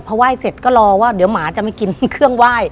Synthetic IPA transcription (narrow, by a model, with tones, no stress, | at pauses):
pʰɔ˧waː˥˩jse˨˩t̪̚kɔː˥˩lɔː˧waː˥˩di˩˦əwmaː˩˦t͡ɕa˨˩ma˥˩jki˧nkʰɯ˥˩əŋwaː˥˩j